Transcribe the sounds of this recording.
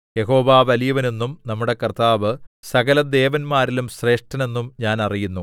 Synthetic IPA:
jeɦo̞ːʋaːʋɐlijɐʋɐne̞nːumnɐmːuɽe̞kɐrt̪aːʋɨsɐɣɐlɐd̪e̞ːʋɐnmaːɾilumɕre̞ːʂʈɐne̞nːumɲaːnɐrijunːu

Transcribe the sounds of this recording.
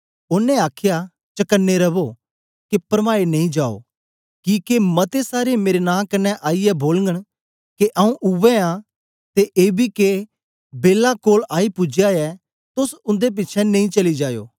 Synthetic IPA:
ʊnːẽaːkʰja | t͡ʃɐkənːeɾɐbo | kepɾmaːenɐ̃ĩd͡ʒaːo̰ː | kiːkemɐt̪esaːɾemeːɾenãːkɐnːɛʔaːiɛboːlŋɡəɽ̃ | keʔɐũʔʊʋɛ̃ã | t̪eʔeːbʱike | beːlakoːlaːipʊd͡ʒjaɛ | t̪ʊsʊ̃nd̪ep̬ɪtːt͡ʃʰɛnɐ̃ĩt͡ʃɐlid͡ʒaːjo̰ː

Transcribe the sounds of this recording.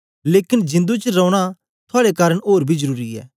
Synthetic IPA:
leːkɪnd͡ʒɪ̃nd̪ut͡ʃɾɔ̃ːʊɽ̃a | t̪ʰʊaːɽekaːɾəɽ̃oːɾbʱizɐɾuːɾiɛ̰ː

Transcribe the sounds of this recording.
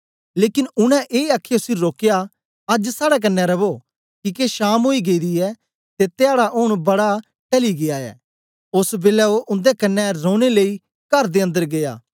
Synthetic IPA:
leːkɪnʊñɛ̃ʔeːaːkʰːjosiɾoːkeja | ɐd͡ʒsaːɽɛk̬ɐnːɛɾɐbo | kikeʃaːmɦoːiɡeid̪iɛ | t̪et̪eaːɽaʔʊɽ̃bɐɽa | ʈɐliɡɪaːɛ̰ː | ʊsbeːlɛoʔʊ̃nd̪ekɐnːɛɾõːɽ̃elei | kɐɾd̪eɐ̃nd̪əɾɡeja̰ː

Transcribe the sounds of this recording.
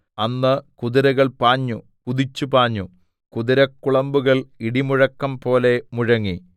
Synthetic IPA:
ɐnːɨkuðiɾɐɣɐɭpaːɲːu | kuðit͡ɕːupaːɲːu | kuðiɾɐkːuɭɐmbuɣɐɭiɽimuɻɐkːɐmpo̞ːle̞muɻɐŋːi

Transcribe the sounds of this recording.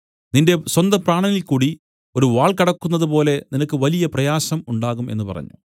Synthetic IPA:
ninde̞swɐnd̪ɐpraːɳɐnilkuːɽi | o̞ɾuʋaːɭkɐɽɐkːunːɐðɨp̬o̞ːle̞ninɐkːɨʋɐlijɐprɐjaːɕɐmuɳɖaːɣume̞nːɨpɐ̰rɐ̰ɲːṵ

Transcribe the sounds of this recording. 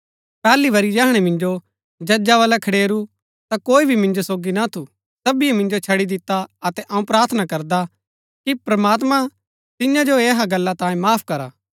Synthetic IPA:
pɛːliʋɐɾid͡ʒaːɦɽ̃ɛmɪ̃nd͡ʒo | d͡ʒɐd͡ʒaʋaːlɛkʰɐɽeːɾu | t̪akoːibʱimɪ̃nd͡ʒosoːɡinat̪ʰu | t̪ɐbiemɪ̃nd͡ʒot͡ʃʰɐɽid̪ɪt̪ːaɐt̪ɛʔɐːũpɾaːɾt̪ʰənakɐɾd̪a | kipɾɐmaːt̪mã | t̪ɪjãd͡ʒoeːɦaɡɐlːat̪ãːĩmaːpʰkɐɾaː

